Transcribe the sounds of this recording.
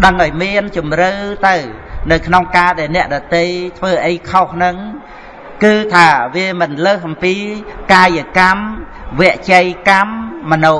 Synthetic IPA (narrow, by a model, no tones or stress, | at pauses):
ɗəŋʔaɔjmiənt͡ɕumrɨːt̪ɨwnɨwkʰnoŋkaːɗaɛlnɛ̆əʔɗɑt̪ejt̪ʰʋəːʔəjkʰohnɨŋ | kɨːt̪ʰaːʋiəmɨnləːhʔɑmpiːkaːjəkamʋɛ̆əʔt͡ɕəjkamːənu